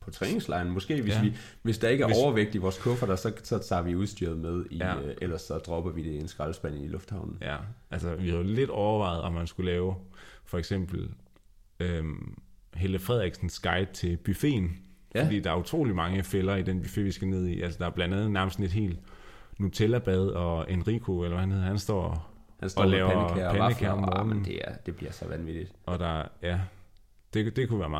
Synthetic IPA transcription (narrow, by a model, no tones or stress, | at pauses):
pʰɒ̽t͡sʰʁɛːne̝ŋslɑ̈ɪn̩mɔ̽sɡ̥e̝̰ːʋesʋi | ʋe̝sd̥ɑ̈e̝ɡəæɐɒʊɐʋeɡ̥̚d̥iʋɒːskʰɔ̽fɐd̥æsɒ̽sɒ̽t͡sʰɑ̰̈ːʋiuðˠsd̥yɐð̞̩ˠmeð̞ˠiʔelɐsɒ̽d̥ʁɒ̽b̥ɐʋid̥e̝ensɡ̥ʁɑ̈lsb̥æn̰n̩ilɔ̽fd̥hɑ̈ʊnn̩jæʔælsəʋihæðle̝d̥ɒʊɐʋɑ̈ɪð̩ˠɒ̽mːænsɡ̥ulɛːʊfɒ̽eɡ̥sem̰b̥l̩ | ø | ɦeləfʁɛð̞̰ˠʁiɡ̥sn̩sɡ̥ɑ̈ɪd̥̚t͡sʰe̝lb̥yfe̝̰ːn | fɒdḭːd̥ɑ̈æɐut͡sʰʁo̝̰ːlimɑ̈ŋəfelɐid̥enb̥yfe̝̰ːʋisɡ̥æne̝ð̞̰ˠḭʔælsəd̥ɑ̈æɐb̥lænd̥ænð̩ˠnæɐməsd̥n̩e̝d̥ɦe̝̰ːld̥ | nut͡sʰelæb̥æð̞ˠɒ̽enʁikʰoelɐʋæhæn̩e̝ð̰ˠhænsd̥ɒ̰ː | hsɒlɛːʊɐpænəkʰæɐɒ̽mmɔːnn̩d̥e̝æd̥e̝b̥liɐsɒʋænʋid̥id̥ɒ̽d̥ɑ̈jæ | d̥e̝d̥e̝kʰuʋæːɐmɑ